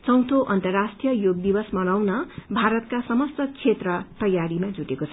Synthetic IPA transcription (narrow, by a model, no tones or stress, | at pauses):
t͡sʌw̃t̪ʰoʔʌnt̪ʌrːasʈijʌjoɡ̚d̪ibʌsmʌnawnʌbʱaɾʌt̪̚kasʌmʌst̪ʌkt͡sʰet̪rʌt̪ʌjaɾimad͡zuʈekot͡sʰʌ